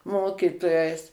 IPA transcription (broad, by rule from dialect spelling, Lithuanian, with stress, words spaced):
ˈmoːkʲiːtoːjɛɪs